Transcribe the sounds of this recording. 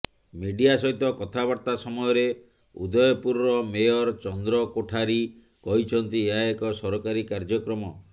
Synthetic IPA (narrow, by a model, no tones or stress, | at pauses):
miɖijasɔɦit̪ɔkɔt̪ʰabaɾt̪asɔmɔjɔɾe | ṵd̪ɔjɔpuɾɔɾɔmejɔɾt͡ʃɔnd̪ɾɔkoʈʰaɾi | kɔɦit͡ʃʰɔnt̪ieaekɔsɔɾɔkaɾikaɾd͡ʒɔkɾɔmɔ